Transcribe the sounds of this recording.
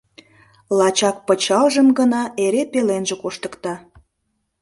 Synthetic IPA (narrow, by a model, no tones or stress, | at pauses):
lɑt͡ɕɑk̚pət͡ɕɑlʒəmɡənɑeɾepelenʒekoʃt̪ə̥kt̪ɑ